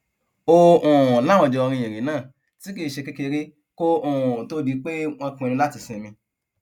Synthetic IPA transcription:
o˦˧õ˨la˦w̃ɔ̃˧˨d͡ʒɛ˧ɔ˧ɾĩ˧jẽ˨ɾ̃ĩ˨˦nãː˦˨ | ti˦ki˦˨ʃe˧ke˦ke˧ɾi˦ | ko˦õ˦˨to˦di˨˧˦k͡pe˦w̃ɔ̃˧kũ˧e˧ɾĩ˧la˦ti˦˨sĩ˧˨˧mĩ˧

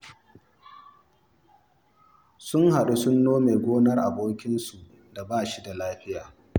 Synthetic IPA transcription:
sʊ˦ŋha˨ɗu˦sʊ˦nːoː˦meː˨ɡʷoː˦nɐ˦rʔa̰˨boː˦kʲɪ˦nsu˨ʔ | da˨baː˦ʃi˦da˨laː˦ɸɪ˦jaː˨

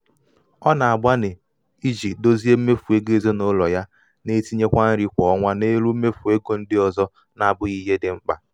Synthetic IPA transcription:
ɔ˦na˨a˨ba˦ne˨ | i˦d͡ʒi˨t̚do˦zi˦e˦me˦fu˨e˦ɡe˦zo˦no˦lɔ˨ja˦ | ne˦ti˦ɲe˦kʷa˦n̩˦ɾi˦kʷɔ˨ɔ˦ŋʷa˦ne˦ɾu˦me˦fu˨e˦ɡo˨n̩˦dɪ˦ɔ˨zɔ˦ | na˨bʊ˦ɣi˦ɦe˦dɪ˨ŋ͡m̩˦k͡pa̰˨

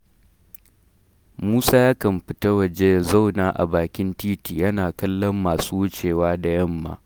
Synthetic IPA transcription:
muː˦saː˦jaː˦kɐ˨mɸɪ˦ta˦wɐ˨d͡ʒe˦˨za˦˨wnaː˦ʔa̰˨baː˨kʲɪ˦ntiː˦tiː˨jɐ˦naː˨kɐ˦lːɐ˦mːaː˨suː˦wʊ˦t͡ʃeː˨waː˦da˨jɐ˦˨mːa̰ː˦

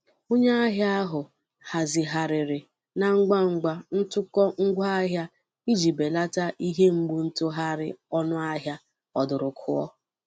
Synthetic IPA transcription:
o˦ɲe˦a˦ɦja˦a˦ɦʊ˨ | ha˨zɪ˨ɦa˨ɾɪ˨ɾɪ˨ | na˨ŋ̩˦ɡ͡ba˦ŋ̩˨ɡ͡ba˦n̩˦tʊ˦kɔ˦ŋ̩˦ɡʷa˦a˦ɦja˦ | i˦d͡ʒi˨be˨la˦ta˦ʔi˦ɦe˦ŋ͡m̩˦ɡ͡bu˦n̩˦tʊ˦ɦa˦ɾɪ̰˦ɔ˦nʊ˦a˦ɦja˦ | ɔ˨dʊ˨ɾʊ˨kʰʊ̰˦ɔ̰˦

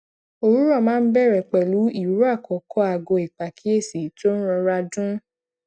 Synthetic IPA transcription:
o˧ɾu˦ɾɔ̃˦˨mãː˦˧n̩˦bɛ˦˨ɾɛ˨k͡pɛ˨lu˨˦i˦˨ɾu˦a˦˨kɔ˨kʰɔ˦a˨ɡɔ˧˨i˨k͡pa˨kʰi˨˦e˦˨si˨˦to˦n̩˦ɾɔ̃˧ɾa˧dũ˦

